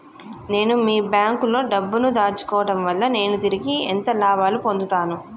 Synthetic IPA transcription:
ne̞ːnumiːbjaːŋkulo̞ːɖɐbːunud̪aːɾt͡ʃu̥kɔːʋɐʈɐmʋɐlːɐne̞ːnut̪iɾiɡiḛnt̪ɐlaːbaːlupo̞nd̪ut̪aːnu

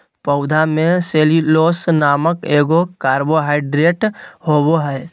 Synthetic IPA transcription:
pəʊd̪ʱamẽseːliloːsnaːməkeːɡokaːɾboɦaːɪɖɾeːʈhoːboɦɛː

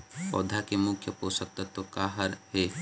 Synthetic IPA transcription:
ɔ̰ːd̪ʱakemʊkʰjəpoːsək̚t̪at̪okaːɦəɾheː

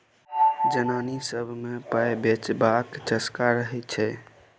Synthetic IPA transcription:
d͡ʒənanisəbʱmepəjbet͡ʃbakt͡ʃəskaɾəɦɛt͡ʃʰɛ

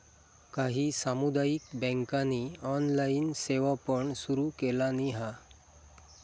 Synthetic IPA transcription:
kaɦiːsamud̪ajikbɛ̃ŋkaniɔnlainseʋapəɳsuɾukelaniɦa

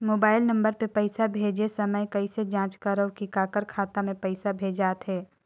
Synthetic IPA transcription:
moːbaːɪlnɐ̃mbəɾpepɛɪsabʱeːd͡ʒesɐməjkɐised͡ʒãːt͡ʃkaɾəwkikaːkəɾkʰaːt̪amẽpɛɪsabʱeːd͡ʒaːt̪ɦɛː

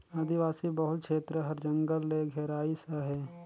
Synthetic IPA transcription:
aːd̪ʱiʋaːsibəɦʊt̪̚kʃʰeːt̪ɾəɦɐɾd͡ʒə̃ŋɡəlːeɡʱɛːɾaːisaɦeː

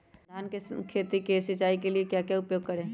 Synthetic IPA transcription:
d̪ʱaːnkekʰeːt̪ikesɪt͡ʃaːikeliekjaːkjaʊpjoːɡ̚kɐɾẽː

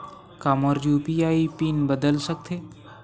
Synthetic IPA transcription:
kaməɾjupiaipinbəd̪əlsək̚t̪ʰe

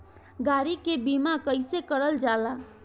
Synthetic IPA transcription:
ɡaɾikebimakəjsekəɾəld͡ʒala

